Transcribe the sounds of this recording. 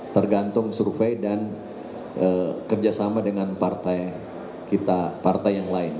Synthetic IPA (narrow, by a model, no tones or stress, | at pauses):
t̪ərɡant̪ʊŋsurfejdan | ʔəkərd͡ʒasamadəŋanpart̪aj | kit̪apart̪ajjaŋlaɪn